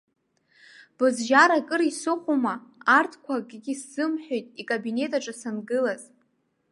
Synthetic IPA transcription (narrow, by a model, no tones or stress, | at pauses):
b̥ɨzʒaɾakʼɨɾisɨqʷʼumaartʰkʷʰaɡʲʼɡʲisz̥ɨmħʷᶣojtʼikʼabine̞tʼaʈ͡ʂʼasanɡɨlaz̥